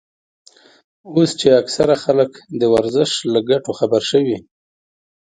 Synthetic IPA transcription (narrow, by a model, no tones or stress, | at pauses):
ost͡ʃeaksaɾaxaləkd̪əwaɾzəʃlaɡaʈoxabaɾʃəwi